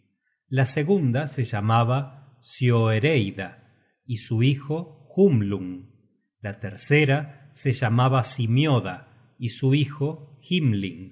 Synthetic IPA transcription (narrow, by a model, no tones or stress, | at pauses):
laseɣund̪aseʒamaβa | sjoeɾejða | isuixoxumluŋ | lat̪eɾseɾaseʒamaβasimjoða | isuixoximlḭŋ